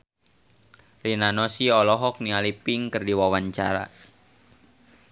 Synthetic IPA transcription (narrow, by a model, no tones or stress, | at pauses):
rinanɔsiɔlɔɦɔk̚nialipiŋkərdiwawaɲt͡ʃaɾa̰